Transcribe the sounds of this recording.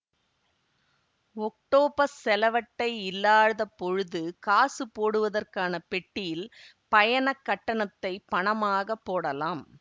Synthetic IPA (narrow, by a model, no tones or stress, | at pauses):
ɔk̚ʈoːpɐsɛlɐʋɐʈːɐɪɪlːaːɻðɐpːɔɻɯðɯkaːsɯpoːɽɯʋɐðɐrkaːnɐpɛʈːɪjɪl | pɐjɐnɐkːɐʈːɐnɐt̪ːɐɪpɐɳɐmaːɣɐpːoːɽɐlaːm